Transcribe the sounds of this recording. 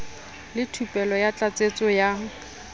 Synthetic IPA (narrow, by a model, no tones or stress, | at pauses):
lɪtʰupʼɛlɔjat͡ɬʼat͡sʼet͡sʼɔja